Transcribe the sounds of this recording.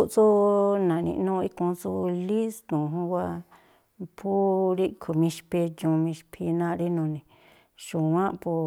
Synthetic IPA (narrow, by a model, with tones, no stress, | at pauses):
u˧ʔt͡su˦nã˨nḭ̃˧ʔnũ˦˧i˦kũ˧t͡su˧li˦st̪ũ˨ɦũ˧wa˧ | pʰu˦ɾi˦kʰu˨mĩ˧ʃpe˧d͡ʒũ˧mĩ˧ʃpʰi˧nã˧ɾi˦nũ˧nĩ˨ | ʃũ˨wã˦pu˧